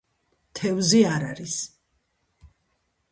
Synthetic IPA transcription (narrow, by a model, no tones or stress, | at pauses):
t̪ʰɛvziaɾaɾis